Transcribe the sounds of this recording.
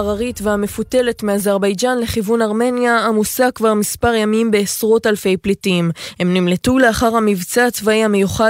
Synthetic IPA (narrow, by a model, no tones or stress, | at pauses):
ʁaʁitveame̞fute̞le̞tmeazaʁbajd͡ʒanle̞χivunaʁme̞njaamusakvaʁmispaʁjamimbe̞ːsʁo̞talfe̞jplitimhe̞mnimletule̞aχaʁhamivt͡saːt͡svaihamejuχa